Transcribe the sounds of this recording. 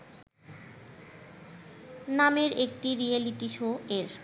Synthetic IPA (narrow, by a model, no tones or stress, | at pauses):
nameɾekʈiɾieliʈiʃoeɾ